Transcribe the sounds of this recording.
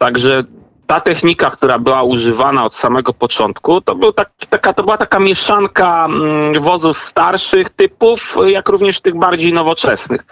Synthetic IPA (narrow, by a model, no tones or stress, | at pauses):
t̪aɡʐɛ | t̪at̪ɛxɲikakt̪uɾabɘwauʐɘvanaɔt̪samɛɡɔpɔt͡ʂɔnt̪kut̪ɔbɘwt̪akʲi̥t̪akat̪ɔbɘwat̪akamʲjɛʂaŋka | vɔzufst̪aɾʂɘxt̪ɘpufjakɾuvɲɛʂt̪ɘɣbaɾd͡ʑejnɔvɔt͡ʂɛsnɘ̰x